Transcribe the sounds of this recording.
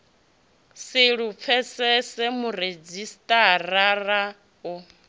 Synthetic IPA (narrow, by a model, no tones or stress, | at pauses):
sɪɺup̪fʰɛsɛsɛmured͡zistʼarara | ɔ